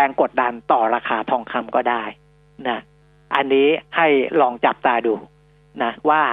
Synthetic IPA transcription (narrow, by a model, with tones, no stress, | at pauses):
ɛː˧ŋko˨˩t̪̚da˧nt̪ɔː˨˩ɾaː˧kʰaː˧t̪ʰɔː˧ŋkʰa˧mkɔː˥˩daː˥˩j | na˦˥ | ʔa˧nːiː˦˥ha˥˩jlɔː˧ŋt͡ɕa˨˩p̚t̪aː˧duː˧ | na˦˥waː˥˩